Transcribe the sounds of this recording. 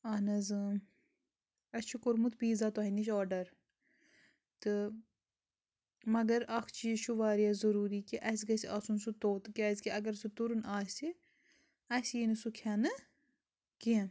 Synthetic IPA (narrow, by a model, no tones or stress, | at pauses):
aːnɐzɨ | ɐst͡ʃʰukoɾmut̪ʰbiːzaːt̪oɦɐniʃɔːɖɐɾ | t̪ɨ | mɐɡɐɾɐkʰt͡ʃiʃʰuʋaːɾiazɐɾuːɾiːkiʔɐs̬ɡɐsiasunsut̪oːt̪kaːzʲkiɐɡɐɾsut̪uɾunaːsi | ɐsjinɨsukʰaːnɨ | kiɛ̃n